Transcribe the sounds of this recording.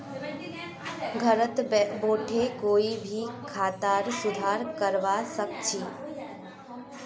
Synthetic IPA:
ɡʱəɾət̪boːʈʰekoːibʱikʰaːt̪aːɾsʊd̪ʱaːɾkəɾʋasək̚t͡ʃʰiː

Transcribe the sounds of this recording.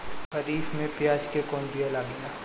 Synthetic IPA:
ɦɐɾiːfmẽpjaːd͡ʒkekɔːnbʱijalaːɡɐjaː

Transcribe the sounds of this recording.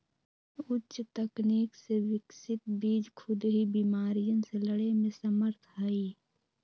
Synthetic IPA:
ʊtːʃt̪əkniːksewɪksɪt̪̚biːd͡ʒkʰʊd̪ɦibiːmaːɾijənseləɽemẽsəməɾt̪ʰɦaiː

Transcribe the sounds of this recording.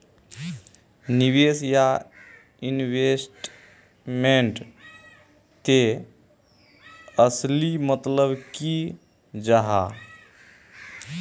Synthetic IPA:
nibesja | inbesʈ | meɳʈ | t̪e | əslimət̪ləbki | d͡ʒaɦa̰

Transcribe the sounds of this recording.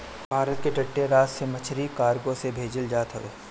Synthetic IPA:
bʱaːɾət̪̚keʈɐʈːeɾaːt̪semɐt͡ʃʰɾikaːɾɡõsebʱeːd͡ʒəld͡ʒaːt̪ɦɐʋeː

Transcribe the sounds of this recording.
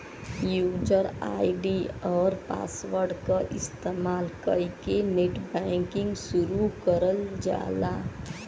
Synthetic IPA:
juːd͡ʒəɾa̰ːɖiɔːɾpa̰ːswəɾɖkaʔɪst̪eːmaːlkəjkeneʈbɛ̃ŋkɪ̃ŋɡsʊɾukəɾəld͡ʒa̰ːla

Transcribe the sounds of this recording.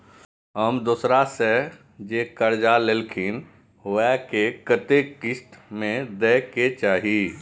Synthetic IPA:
ɦəmd̪uːsɾase | d͡ʒekəɾd͡ʒalelkʰɪn | ʋɛkekət̪ekɪsʈ̪mẽd̪eːket͡ʃaːɦi

